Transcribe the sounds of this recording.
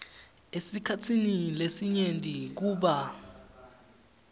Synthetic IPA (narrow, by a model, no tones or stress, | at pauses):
esikʰatʰinilesiɲendʱik̬uːɓa